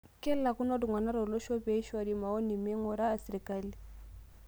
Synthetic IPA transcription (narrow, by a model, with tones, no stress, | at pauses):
kɛ˦la˨ku˦nɔ˦du˨ŋwa˨na˦ɾɔ˨lɔ˦ʃɔ˦pɛ˨˦i˦ʃa˨di˨ma˨ɔ˦ni˨mɛ˦ŋɔ˨ɾaː˦˨si˨ɾi˨ka˦˨li˨